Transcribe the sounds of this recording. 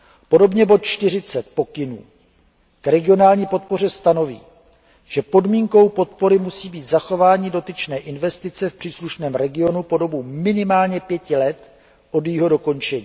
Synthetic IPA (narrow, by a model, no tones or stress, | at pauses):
po̞do̞bɲɛbo̞t̪̚t͡ʃt̪ɪr̝ɪt͡sɛt̪̚po̞kɪnṵː | kɾɛɡɪo̞naːlɲiːpo̞t̪̚po̞r̝ɛst̪ano̞vḭː | ʒ̥ɛpo̞dmiːŋko̞wpo̞t̪̚po̞ɾɪmusiːbiːt̪zaxo̞vaːɲido̞t̪ɪt͡ʃnɛːʔɪnvɛst̪ɪt͡sɛfpr̥iːsluʃnɛːmɾɛɡɪo̞nupo̞do̞bumɪnɪmaːlɲɛpjɛcɪlɛt̪ | ʔo̞djiːɦo̞do̞ko̞nt͡ʃɛɲiː